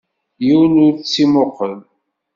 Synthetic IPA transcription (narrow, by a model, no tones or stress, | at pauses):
jiwnʊɾt͡sːimoqəl